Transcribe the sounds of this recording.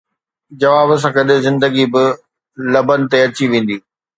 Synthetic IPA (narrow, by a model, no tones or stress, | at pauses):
d͡ʑɐʋaːbs̬ãkɐɗɪzɪ̃nd̪əɡibɪ | lɐbənɪ̆t̪eɐt͡ɕiʋẽːn̆d̪iː